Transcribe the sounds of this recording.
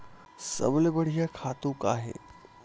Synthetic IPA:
sə̰blbəɽ̤ijakʰat̪ũka̰ːɦḛ

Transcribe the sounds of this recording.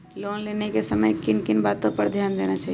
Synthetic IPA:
loːnlenekesəməjkɪnkɪnbaːt̪ːopəɾd̪ʱjaːnd̪enat͡ʃaːɦi

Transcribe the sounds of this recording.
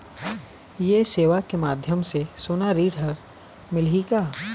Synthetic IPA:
jeseːʋakemaːd̪ʱjəmsesoːnaɾiːɽɦɐɾ | mɪlɦiɡaː

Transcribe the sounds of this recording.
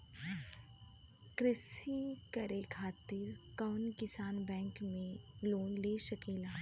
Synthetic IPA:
kɾɪsikɐɾekʰaːt̪ɪɾkɔːnkɪsaːnbɛ̃ːŋkmẽloːnleːʃɐkeːlaː

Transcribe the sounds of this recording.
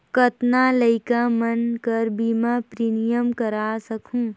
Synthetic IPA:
kət̪naləɪkamənkəɾbimapɾiːnijəmkəɾaːsəkʰũː

